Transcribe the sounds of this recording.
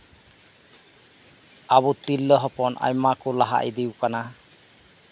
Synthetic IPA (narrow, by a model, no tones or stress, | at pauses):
abut̪ilːəɦɔpɔnʔa̰jmakʊlaɦa̰ʔid̪iwkana